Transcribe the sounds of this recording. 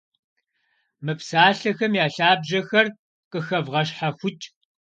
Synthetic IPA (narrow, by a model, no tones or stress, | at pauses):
mɨpsaːɬɐxɐmjaːɬaːbʒɐxɐr | qʼəxɐvʁɐɕħaxʷʊt͡ʃʼ